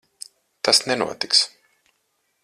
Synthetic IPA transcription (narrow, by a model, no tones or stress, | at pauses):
t̪asnɛnṵɔt̪iks